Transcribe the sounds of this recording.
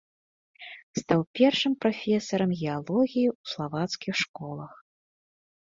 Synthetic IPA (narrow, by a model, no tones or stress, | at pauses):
st̪awpʲɛrʂɨmpɾafʲɛsɐɾɐmɣʲɛalˠɔɣʲijiwslˠavat̪skʲixʂkɔlˠɐx